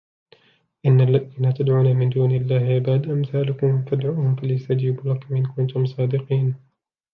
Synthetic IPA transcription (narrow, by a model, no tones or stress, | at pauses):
ʔɪnːalːaðiːnaːt̪ad̪ʕuːnaːmɪnd̪uːnɪlːaːhʔabaːd̪ʔamθaːlʊkʊmfad̪ʕuːhʊmfalajst̪ad͡ʒiːblakmʔɪnkʊnt̪ʊmsˤɑːd̪ɪqiːn